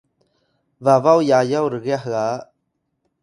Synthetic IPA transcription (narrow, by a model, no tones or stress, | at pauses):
vavawjajawɾəɣɛaɦa